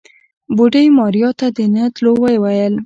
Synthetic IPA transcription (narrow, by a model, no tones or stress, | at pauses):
boɖəjmɑɾjɑt̪ad̪ənət̪lowəjwajəl